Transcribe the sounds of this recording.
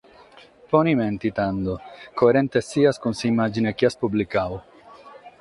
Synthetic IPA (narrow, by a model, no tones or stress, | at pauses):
poniment̪it̪and̪okoeɾent̪esiaskunsiːmad͡ʒinekiaspublikaw